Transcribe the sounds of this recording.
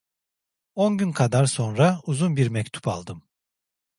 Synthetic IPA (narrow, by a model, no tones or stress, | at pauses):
onɟynkʰad̪aɾso̞nɾauzunbiɾmɛct̪ʰu̥palˠd̪ɯm